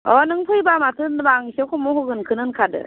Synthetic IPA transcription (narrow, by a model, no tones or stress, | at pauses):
ɔnɯŋpʰɯjbamatʰɯnbaŋisekʰɔmɔɦɯɡɯnkʰɯnɯnkʰadɯ̰